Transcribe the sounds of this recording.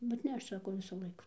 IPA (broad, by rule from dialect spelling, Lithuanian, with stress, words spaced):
bʲɛt ˈnʲɛ ɐʃ ˈsɑːkoː ˈʋʲɪsʊ ˈlˠɐɪkʊ